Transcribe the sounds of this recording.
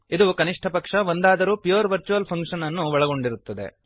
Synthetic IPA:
id̪ukɐniʂʈʰɐpɐkʂɐʋond̪aːd̪ɐɾuːpijuːɾʋɐɾt͡ʃuʋɐlpʰɐŋkʂɐnɐnːuʋɔɭɐɡo̞ɳɖiɾut̪ːɐd̪e̞̰

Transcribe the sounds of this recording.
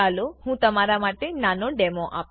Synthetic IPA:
alohũt̪əmaɾamaʈenanoɖemoʔa̰p

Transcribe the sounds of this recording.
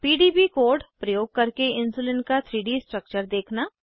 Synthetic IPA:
piːɖiːbikoːɾɖpɾɐjoːɡ̚kɐɾkeɪ̃nsuːlɪ̃nkat̪ʰɾiːɖisʈɾək̚t͡ʃəɾd̪eːkʰnaː

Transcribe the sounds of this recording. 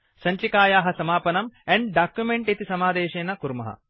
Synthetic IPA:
sɐɲt͡ʃikaːjaːɦɐsɐmaːpɐnɐmɛɳɖɖaːkjumeɳʈit̪isɐmaːd̪eːʃeːnɐkuɾmɐ̰ɦɐ̰

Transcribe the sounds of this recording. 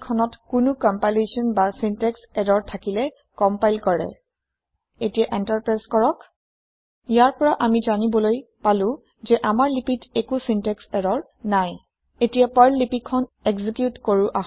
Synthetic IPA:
kʰːɔnɔtkʊnʊkɔmpajlesɔnbasintɛksɛdɔɹtʰakilɛ | kɔmpajlkɔɹɛ̰ | etijaʔɛntaɹpɹajskɔɹɔk | ijaɹpɔɹaʔamizanibɔloj | palʊ̃ | zɛʔamaɹlipitekusintɛksɛdɔɹ | naj | etijapɔjlːipikʰːɔn | ɛkzikjutkoɹuʔaɦ

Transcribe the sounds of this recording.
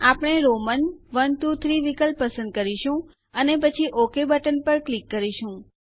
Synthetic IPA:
apɽ̃eɾomənʋənt̪ut̪ʰɾiʋikəlpːəsə̃nd̪̚kəɾiʃũ | ənepət͡ʃʰiʔokebəʈənpəɾklikːəɾiʃũ

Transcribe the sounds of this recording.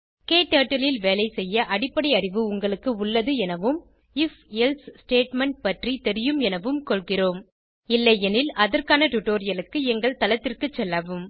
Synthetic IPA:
keːʈːaːʈːɐlɪlʋeːlɐɪsɛjːɐʔɐɽɪpːɐɽɐɪɐrɪʋɯʊŋɡɐɭɯkːɯʊɭːɐðɯɛnɐʋɯm | ɪfɛlssʈeːʈmɛɳʈ̚pɐʈrit̪ɛɾɪjɯmɛnɐʋɯmkɔɭɣɪroːm | ɪlːɐjɛnɪlɐðɐrkaːnɐʈʊʈːoːɾɪjɐlɯkːɯɛŋɡɐɭt̪ɐlɐt̪ːɪrkɯt͡ʃːɛlːaːʋɯm

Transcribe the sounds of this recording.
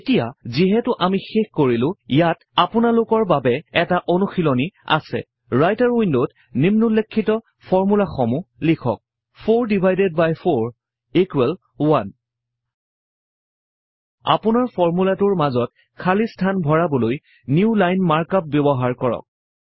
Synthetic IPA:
etijaziɦɛtʊʔamixexkoɹilʊ̃jat | apʊnalʊkɔɹbabɛɛtaʔonuxilonia̰sɛ̰ | ɹajtaɹwindot | nimnulːekʰːitɔ | pʰɔɹmulaxɔmulikʰɔ̰k̚ | pʰoɹdibʱajded̚bajpʰoɹ | ikwɛl | wan | a̰pʊnaɹpʰɔɹmulatʊɹmazɔt̚ | kʰalistʰanbʱɔɹabɔloj | niʊlajnmaɹkap̚bjɔbɔɦaɹkɔɹɔ̰k̚

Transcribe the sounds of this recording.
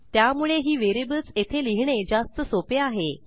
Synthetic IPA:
t̪jamuɭeɦiːʋeɾibət͡set̪ʰeliɦɳ̃ed͡zast̪əsopeaɦe

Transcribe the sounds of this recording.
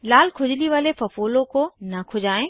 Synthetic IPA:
laːlkʰʊd͡ʑɪliʋaːlefɐfoːlõkoːnɐkʰʊd͡ʑaːẽ

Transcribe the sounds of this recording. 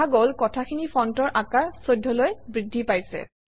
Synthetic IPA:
aɡolkɔtʰakʰinipʰɔntɔɹʔakaɹsojdʱːɔlojbɹidʱːipajsɛ̰

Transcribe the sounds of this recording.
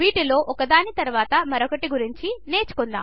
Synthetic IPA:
iːʈilo̞ːʔɔkɐd̪aːnit̪ɐɾuʋaːt̪ɐmɐɾokɐʈiɡuɾiɲt͡ʃine̞ːt͡ʃu̥kɔnd̪a̰ː

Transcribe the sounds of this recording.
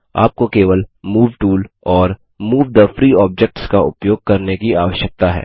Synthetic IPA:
a̰ːp̚kokeːʋəlmuːʋʈuːl | ɔːɾ | muːʋd̪əfɾiːɔːb̚d͡ʒɛk̚ʈskaʊpjoːɡ̚kɐɾnekiaːʋəʃjək̚t̪aɦɛ̰ː

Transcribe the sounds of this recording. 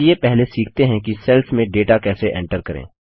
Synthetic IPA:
epɛɦlesiːkʰt̪eɦɛ̃kisɛlfmẽɖeːʈakɛːseʔɛ̰̃ːɳʈəɾkɐɾḛ̃ː

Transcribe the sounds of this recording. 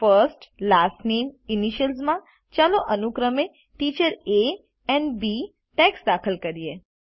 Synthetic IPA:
fəɾsʈlasʈneminiʃəlzmã | t͡ʃaloʔənukɾəme | ʈit͡ʃəɾe | ɛnbi | ʈɛksd̪akʰəlkəɾie

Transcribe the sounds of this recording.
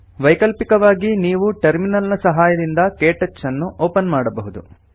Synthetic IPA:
ʋɐjkɐlpikɐʋaːɡiniːʋuʈɐɾminɐlnɐsɐɦaːjɐd̪ind̪ɐkeːʈɐt͡ʃsɐnːuʔoːpɐnmaːɽɐbɐɦud̪u

